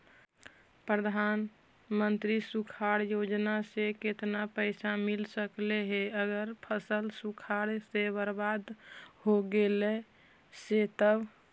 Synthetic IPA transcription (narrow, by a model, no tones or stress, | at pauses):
pɾəd̪ʱan | mənt̪ɾisukʰaɽjod͡ʒnaseket̪napəɪsamilsəkleɦeəɡəɾpʰəsəlsukʰaɽsebəɾbad̪hoɡele | set̪əb